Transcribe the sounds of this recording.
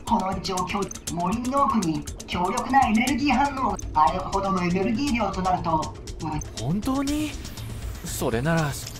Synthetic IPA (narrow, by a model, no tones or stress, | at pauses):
ko̞no̞it͡ɕiokʲoː | mo̞ɾʲinːoːkɯ̟ɲ̟ikʲo̞ːɾʲjo̞kɯ̟nae̞ne̞ɾɯ̟ɡʲiːɦãnːoːajɯkɯho̞d̪o̞noe̞ne̞ɾɯ̟ɡʲiːɾʲjo̞ːt̪o̞naɾɯ̟t̪o̞ | ahõnt̪o̞ːɲi | so̞ɾe̞naɾa